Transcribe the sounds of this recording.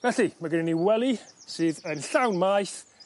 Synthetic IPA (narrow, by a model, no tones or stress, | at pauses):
vɛɬimaɡəniniwɛlˠisɨːðənɬawnmajθ